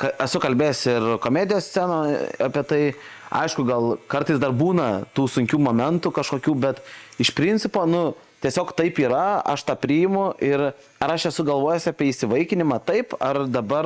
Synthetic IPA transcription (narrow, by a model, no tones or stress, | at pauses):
kɐɛsʊkɐlʲbʲeːjsʲɪrkoːmʲeːd̪ʲɪjoːsʲt͡sʲæːnoːɑpʲiɛt̪ɐɪɐ̰ɪʃkʊɡɐlˠkɐrt̪ɐɪsd̪ɐrbuːnɐt̪uːsʊŋʲkʲuːmoːmʲɛnt̪ʊkɐʃkoːkʲuːbʲɛt̪ɪʃpʲɾʲɪnʲt͡sʲɪpoːnʊ | t̪ʲiɛsʲoːkt̪ɐɪpiːɾɐɐ̰ʃt̪ɑːpʲɾʲɪjɪmʊʔɪr | ɐɾɐʃɛsʊɡɐlˠʋoːjosʲɑːpʲiɛisʲɪʋɐɪkʲɪnʲɪmɑːt̪ɐɪpɐrd̪ɐbɐr